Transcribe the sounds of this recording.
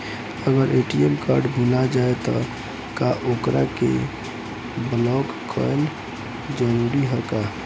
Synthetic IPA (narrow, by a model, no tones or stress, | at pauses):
əɡəɾʔeʈiemkaɾɖbʱulad͡ʒaet̪ɔ | kaʔokɾʔa̰kḛ | blɔɡ | kʰːəl | d͡ʒəɾuɾiɦəka